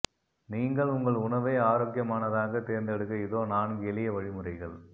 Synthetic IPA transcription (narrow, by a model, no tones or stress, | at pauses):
niːŋɡɐɭʊŋɡɐɭʊɳɐʋɐɪaːɾoːk̬ɪjɐmaːnɐðaːɣɐt̪eːɾnd̪ɛɽɯkːɐɪðoːnaːnɡɛlɪjɐʋɐɻɪmɯrɐɪɣɐɭ